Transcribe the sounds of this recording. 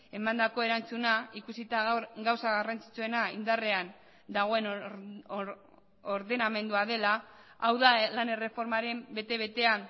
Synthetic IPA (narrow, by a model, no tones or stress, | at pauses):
e̞mand̪ako̞e̞ɾant͡sunaikusit̪aɡawsaɣarant͡si̥t͡sue̞naind̪are̞an | d̪aɣ̞o̞e̞n | oɾðe̞name̞nd̪uaðe̞laawðalane̞re̞fo̞ɾmaɾe̞mbe̞t̪e̞β̞e̞t̪e̞an